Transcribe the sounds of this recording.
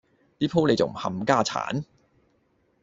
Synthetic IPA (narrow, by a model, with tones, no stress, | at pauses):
t̪iː˥pʰo˥wle˨˧jt͡sɐ˨m̩˨˩hɐ̰˨mkaː˥˩t͡sʰa̰ː˨˥n